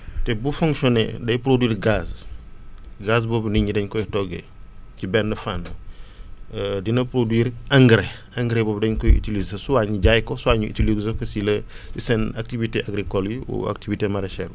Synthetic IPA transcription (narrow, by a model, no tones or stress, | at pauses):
tɛbufuŋkʃɔnɛ̰dɐjpɾodwiːrɡaːs | ɡas̬bɔːbniɲidɐɲkɔjtɔɡɛ̰ | cibɛndəfanːə | dinɐpɾodwiːɾaŋɡɾe | ɐŋɡɾɛbɔːbdɐɲkɔjḭtilizsɐsuwaɲiɟajkɔsuaɲuʔḭtilizɔkɐsilɐ | isɛnak̚tiviteʔaɡɾikɔljiṵa̰k̚tivitemaɾɛʃɛɾ